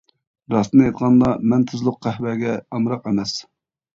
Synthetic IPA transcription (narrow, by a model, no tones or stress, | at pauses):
ɾɑst̪ɨnjet̪ʁɑnd̪ɑmɛnt̪ʰɨzlˠʊqqːæhbɛɡʲɛɑmɾɑqɛmɛs